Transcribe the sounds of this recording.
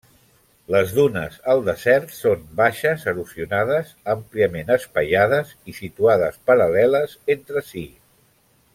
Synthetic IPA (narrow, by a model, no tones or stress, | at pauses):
ləzðunə̰zəlˠd̪əzɛɾt̪sombaʃəzəɾusiunað̞əzəmpliəmenəspəʎað̞əzisit̪uaðəspəɾəlɛləzent̪ɾəsi